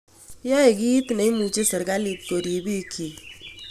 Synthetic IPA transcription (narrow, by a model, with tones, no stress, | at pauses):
ja˦e˨ki˦i˦tne˨i˦mu˨t͡ʃe˦sɔ˨ɾɡa˦li˨tko˨di˨bi˦˨˦kʰi˨